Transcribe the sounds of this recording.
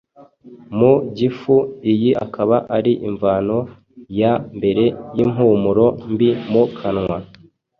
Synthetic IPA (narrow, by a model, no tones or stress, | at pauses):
muɟifuijiʔa̰kaβaʔaɾiʔiɱvaːno | jambe̞ɾe̞jim̥ɦuːmuɾo̞mbimukʰanŋwa